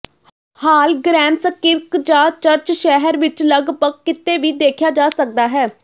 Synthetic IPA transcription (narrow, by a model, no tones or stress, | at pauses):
haːlɡɾɛːmsəkːɪɾkd͡ʒaːt͡ʃəɾt͡ʃʃɛɦəɾʋɪt͡ʃləɡpəkːɪt̪ːeːʋiːd̪eːkʰjaːd͡ʒaːsək̚d̪aːɦɛː